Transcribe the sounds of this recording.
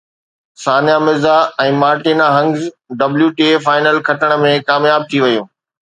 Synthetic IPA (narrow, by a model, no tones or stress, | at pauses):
saːnjamɪzaɛ̃ːmaːɾʈiːnaɦɐ̃ŋɡz | ɖɐbljuʈiefaːɪnəlkʰɐʈəɽ̃ə̆mẽkaːmjaːb̚t̪ʰiʋɐjũː